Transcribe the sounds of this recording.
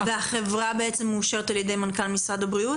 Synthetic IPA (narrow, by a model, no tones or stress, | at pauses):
veaχe̞vʁabe̞et͡semːeːʃeʁet̪aljed̪e̞jmankalmisʁad̪abʁiu